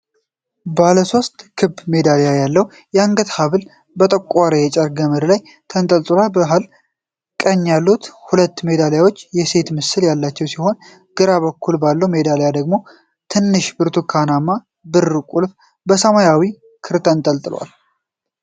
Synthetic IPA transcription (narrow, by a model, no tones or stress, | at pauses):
baləso̞st̪ʼkʰɨbme̞d̪alejajalːəhu | jɛaŋɡət̪haβɨl | bət̪ʼəkʷʼːaɾəjɛt͡ʃʼəɾɡəmɨɾlaj | t̪ʰənt̪ʼəlt̪ʼɨlalbəɦal | kʼəɲːjalːut̪hulət̪ːme̞d̪aljawo̞t͡ʃːjɛse̞t̪mɨsːɨljalːat͡ʃːɛwsiho̞n | ɡ̥ɨɾaβəkʰːulbalːəwme̞d̪alejad̪əɡmo̞ | t̪ʰɨnːɨʃbɨɾt̪ʰukʰanamːa | bɨrːɨkʼulf | bəsəmajawi | kʰɨɾt̪ʰənt̪ʼəlt̪ʼɨlwa̰l